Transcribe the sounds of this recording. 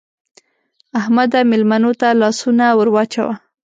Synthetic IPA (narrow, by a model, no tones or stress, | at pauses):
ahmad̪amɪlmanot̪alɑsunawəɾwɑt͡ʃawa